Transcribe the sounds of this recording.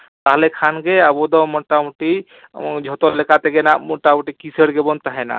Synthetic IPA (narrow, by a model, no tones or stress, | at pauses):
t̪aɦlekʰanɡeabɔd̪ɔmɔʈamuʈi | d͡ʒʱɔt̪ɔlekat̪eɡenamɔʈamuʈikisəɽɡebɔnt̪aɦɛna̰